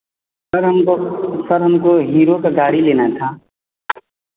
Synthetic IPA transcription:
əɾɦmsəɾɦəmkoɦiːɾokaɡaːɽileːnat̪ʰa

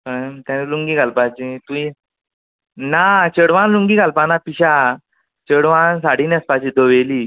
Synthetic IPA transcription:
əmt̪ãniluŋɡiɡʱalpat͡ɕit̪ui | nat͡ɕəɽʋãnluŋɡiːɡʱalpanapiɕa | t͡ɕəɽʋansaɽ̤iːnaspat͡ɕĩd̪oʋeliː

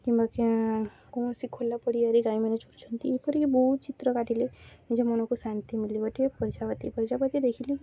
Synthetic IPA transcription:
kĩmbakẽkoːɳsikʰolːapəɽiəɾiɡaːĩmenet͡ʃʰuʈt͡ʃʰɔnt̪iːpəɾikibɔut̪̚t͡ʃit̪ɾəkaʈileid͡ʒemɔnokosant̪imiliɡəʈiepəɾd͡ʒaʋət̪ipəɾd͡ʒapət̪id̪ekʰili

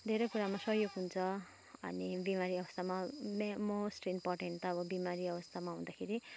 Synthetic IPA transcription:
d̪ʱeɾʌjkuɾamasʌɦjoɡɦunt͡sʰʌ | ʌ̰nibimaɾiʌbʌst̪ʰamamemosʈimporʈeɳʈʌʌbʌbimaɾiʌbʌst̪ʰamaɦũnd̪akʰeɾi

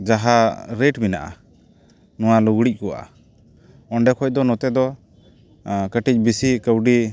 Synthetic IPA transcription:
d͡ʒaɦaɾeʈmina̰ʔa̰ | nɔwaluɡɽic̚ˀkɔwa̰ʔa | ɔɳɖɛkʰɔc̚d̪ɔnɔt̪ɛd̪ɔ | kəʈic̚ˀbisikəwɖi

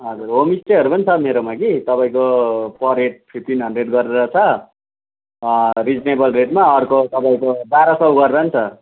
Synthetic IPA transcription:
ɦʌd͡zuɾɦomisʈeɦʌɾupʌnit͡sʰʌmeɾomakit̪ʌpaĩkopʰʌreʈ̚pʰipʈinɦʌndreɖɡʌɾeɾʌt͡sʰʌ | rid͡znebʌlreʈmaʌrkot̪ʌpaĩkobaɾʌsʌwɡʌɾeɾʌnt͡sʰʌ

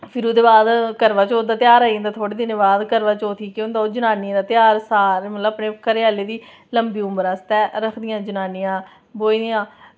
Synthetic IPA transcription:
pʰɪɾoːd̪eːbaːd̪kəɾʋaːt͡ʃoːd̪aːt̪ɪjaːɾaːĩnd̪aːt̪ʰoːɽiːd̪ɪnebaːd̪kəɾʋaːt͡ʃoːt̪ʰiːkɪond̪aːoːd͡ʒənaːniãːd̪aːt̪ɪjaːɾsaːɾmət̪ləapnẽːkəɾeaːleːd̪iː | ləmbiːʊmbəɾaːst̪ɛːɾəkʰd̪ɪjãːd͡ʒənaːnɪjãː | boːiːd̪ɪjãː

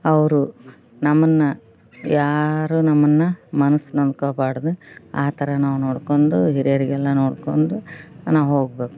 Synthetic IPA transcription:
ɐʋɐɾu | nɐmːɐnːɐ | jaːɾuːnɐmːɐnːɐmɐnɐsːnond̪̚koːbaːɽd̪eaːt̪ʰɐɾɐnaːʋuno̞ːɽko̞ɳd̪uɦiɾɐjɐɾiɡɛlːɐnoːɽkond̪unaːʋuɦoːɡbe̞ːku̥

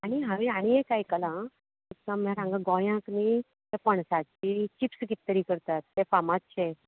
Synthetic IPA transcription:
aɽ̃iɦãʋeaɽ̃iekajkəlã | isãmɛɾãŋɡaɡɔjãkni | t̪epəɳ̃sat͡ɕit͡ɕipskit̪ːəɾikəɾt̪at̪ːefamat̪t͡ɕʰe

